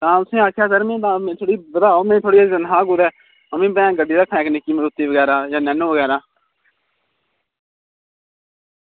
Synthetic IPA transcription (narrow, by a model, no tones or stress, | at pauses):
t̪ãːʊsĩːaːkʰjaːsəɾmẽːt̪ãːmẽːt̪ʰoːɽiːbəd̪aːoːmẽːt̪ʰoːɽiːd͡ʒənɦãːɡʊd̪ɛː | əmẽːbɛ̃ːɡəɖːiːɾəkʰːãɛ̃ːknɪkːiːməlʊt̪ːiːʋəɡɛːɾaːjãːnɛːnoːʋəɡɛːɾaː